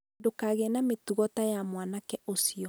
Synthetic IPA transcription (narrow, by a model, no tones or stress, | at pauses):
dokaːɣɛnametuɣɔtajamwanakɛosiɔ